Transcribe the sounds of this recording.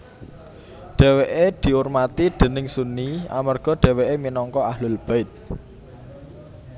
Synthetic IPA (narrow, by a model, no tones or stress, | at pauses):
ɖ̪̥ɛ̤weʔed̪̥i̤urmat̪id̪̥ə̤nɪŋsunia̰mərɡ̥ɔ̤ɖ̪̥ɛ̤weʔeminɔŋkɔaɦlʊlb̥aɪt̪̚